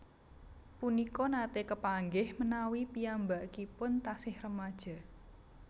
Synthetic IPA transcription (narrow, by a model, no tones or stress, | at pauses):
punikɔnat̪ekəpaŋɡɪhmənawipiambaʔkipʊnt̪asɪhrəmad̥ʒ̥a̤